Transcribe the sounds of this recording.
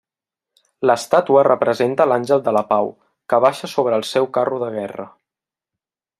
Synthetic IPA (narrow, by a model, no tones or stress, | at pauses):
ləst̪at̪uərəpɾəzent̪əlanʲʒəlˠd̪ələpaw | kəβaʃəsoβ̞ɾəːlˠsɛwkaruðəɣ̞ɛrə̰